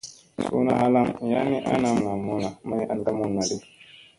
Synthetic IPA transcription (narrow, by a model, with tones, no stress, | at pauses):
sṵ˦na̰˨ha˦la˦ŋ˨ja̰˦mi˦ʔa̰˦na˦m˨la˨mu˦na˨ma˦ja˦n˦da˦mu˦nːa˨di˦